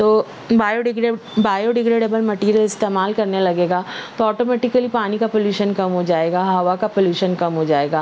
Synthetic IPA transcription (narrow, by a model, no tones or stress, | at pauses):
t̪oː | baːjoɖɪɡɾbaːjoɖɪɡɾeːɖebəlmɐʈiːɾiəlɪst̪eːmaːlkɐɾnelɐɡeːɡaːt̪oɔːʈoːmɛːʈɪkəlipaːnikapoljuːʃənkɐmɦod͡ʒaːeːɡaɦɐʋakapoljuːʃənkɐmɦod͡ʒaːeːɡaː